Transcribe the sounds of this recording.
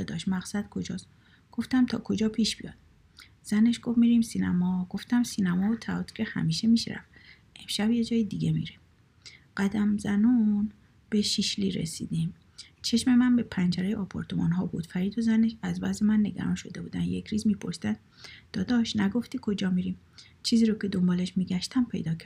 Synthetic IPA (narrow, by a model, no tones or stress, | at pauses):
ɒːd̪ɒːʃmæɣsæd̪̥̚kʰo̞d͡ʒɒːs | ɡ̥o̞ft̪æmt̪ʰɒ̰ːkʰo̞d͡ʒɒːpʰiːʃb̥ijɒ̰ːd̪̥ | z̥æneʃɡ̥o̞vmiːɾimsinæmɒːɡ̥o̞ft̪æmsiːnæmɒːot̪ʰæɒt̪ʰi̥cʰehæ̰miːʃe̞miʃɾæ̰f | ʔemʃæbje̞d͡ʒɒːjed̪iɟe̞mḭɾe | ɢæd̪æmzænuːn | b̥e̞ʃiʃliɾḛsḭːd̪im | t͡ʃʰe̞ʃme̞mænbe̞pʰænd͡ʒæɾejeʔɒːpʰoɾt̪ʰo̞mɒːnɦɒːbṵd̪̥fæɾiːd̪o̞zæneʃæzbæzemænːeɡæ̰ɾɒ̰nʃo̞d̪e̞buːd̪ænje̞cʰɾiːzmiːpʰo̞̰ɾsid̪ænd̪d̪̥ɒːd̪ɒːʃnæɡo̞ft̪iːkʰo̞d͡ʒɒːmiɾim | t͡ʃʰiːziːɾocʰe̞d̪o̞mbɒːleʃmiːɡæʃt̪ʰæmpʰe̞̰jd̪ɒːcʰæɾ